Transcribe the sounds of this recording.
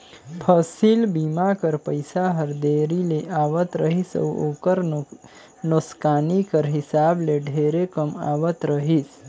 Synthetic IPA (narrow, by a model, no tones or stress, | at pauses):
pʰəsilbimakəɾpəjsaɦəɾd̪eɾileʔaʋət̪ɾəɦisə̰wokəɾ | noskanikəɾɦisableɖʱeɾekəma̰ʋət̪ɾəɦis